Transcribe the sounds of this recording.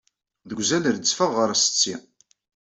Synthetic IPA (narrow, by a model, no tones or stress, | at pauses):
ðəɡʷzælɾət͡sːfəʁːəɾæsə̥t͡sːi